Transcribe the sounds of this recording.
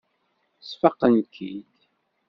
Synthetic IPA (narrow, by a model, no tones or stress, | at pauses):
sfəqːənkʰid̪